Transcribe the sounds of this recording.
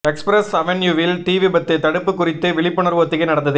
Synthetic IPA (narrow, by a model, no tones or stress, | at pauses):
ɛkspɾɛsɐʋɛnjuʋɪlt̪iːʋibɐt̪ːɐt̪ːɐɽɯpːɯkːʊrɪt̪ːɯʋɪɭɪpːɯɳɐɾʋɐt̪ːɯkɐɪnɐɽɐnd̪ɐðɯ